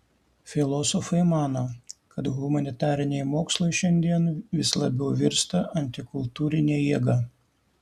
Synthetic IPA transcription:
fʲɪlˠɔsɔfɐɪmɑːnoːkɐt̪ɣʊmɐnʲɪt̪ɑːɾʲɪnʲɛɪmoːkslˠɔɪʃʲɛnʲd̪ʲiɛnʋʲɪslˠɐbʲɛʊʋʲɪɾst̪ɐʔɐnʲt̪ʲɪkʊlˠt̪uːɾʲɪnʲeːjiɛɡɐ

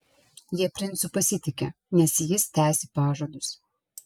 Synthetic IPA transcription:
jiɛpʲɾʲɪnˑt̪sʊpɐsʲɪt̪ʲɪkʲɛ | nʲɛsjɪst̪ʲæːsʲɪpɑːʒoɔd̪ʊs

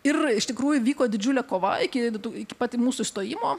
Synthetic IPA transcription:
ɪrɪʃt̪ʲɪkɾuːjʊʋʲiːkoːd̪ʲɪd͡ʒʲʊlʲɛkoːʋɐɪkʲɪt̪uɪkʲɪ̥pɑːt̪ʲimuːsʊɪʃst̪oːjiːmoː

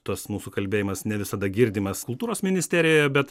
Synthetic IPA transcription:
t̪uɔsmuːsukɐlʲbʲeːjɪmɐsnʲɛʋʲɪsɐd̪ɐɡʲɪɾʲd̪ʲiːmɐskʊlˠt̪uːɾoːsmʲɪnʲɪsʲt̪ʲæːɾʲɪjojɛbʲɛt̪

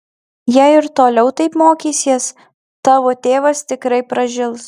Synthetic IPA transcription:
jɛɪɪɾt̪oːlʲɛʊt̪ɐɪpmoːkʲiːsʲiɛs | t̪ɑːʋoːt̪ʲeːʋɐst̪ʲɪkɾɐɪpɾɐʒʲɪlˠs

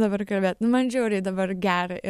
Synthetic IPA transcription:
d̪ɐbɐɾrkɐlʲbʲeːt̪nʊmɐnʒʲɛʊɾʲɪd̪ɐbɐɾɡʲæːɾɐʔɪ

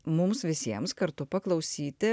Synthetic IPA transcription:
mʊmsʋʲɪsʲiɛmskɐɾt̪ʊpɐklˠɒʊsʲiːt̪ʲɪ

